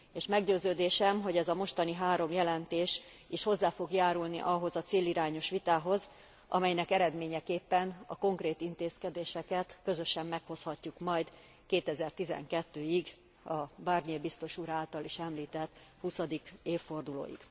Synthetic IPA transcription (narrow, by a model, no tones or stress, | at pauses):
eːʃmɛɡɟøːzøːd̪eːʃɛmɦo̞ɟɛzɒmo̞ʃt̪ɒniɦaːɾo̞mjɛlɛnt̪eːʃiʃho̞zːaːfo̞ɡjaːɾulnḭʔɒɦo̞zɒt̪seːliɾaːɲo̞ʃʋit̪aːɦo̞z | ʔɒ̰mɛjnɛkɛɾɛd̪meːɲɛkeːpːɛnɒ̰ko̞ŋkɾeːt̪int̪eːskɛd̪eːʃɛkɛt̪kø̞zøʃɛmːɛkho̞shɒcːukmɒjd̪ | keːt̪ɛzɛrt̪izɛ̰ŋkɛt̪ːøːiɡ | ɒbarɲiebist̪o̞ʃuɾaːlt̪ɒliʃɛmliːt̪ɛt̪ːhusɒd̪ikeːfːo̞rd̪ulo̰ːjḭɡ̥